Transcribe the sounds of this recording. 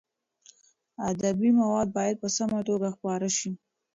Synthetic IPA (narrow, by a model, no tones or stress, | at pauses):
ad̪abimawɑd̪̚bɑjad̪̚pəsamaʈ̪oɡaxpɑɾaʃi